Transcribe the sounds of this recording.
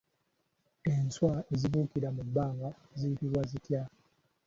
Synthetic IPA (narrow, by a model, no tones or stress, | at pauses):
enswae̞zivuːkiɾamubːaːŋɡa | zijitiɾwazitja